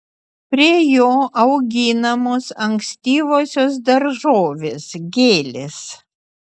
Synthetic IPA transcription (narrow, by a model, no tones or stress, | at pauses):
pʲɾʲiɛjoːʔɐʊɡʲiːnɐmoːsɐŋksʲt̪ʲiːʋoːsʲoːs̬d̪ɐɾʒoːʋʲeːsɡʲeːlʲes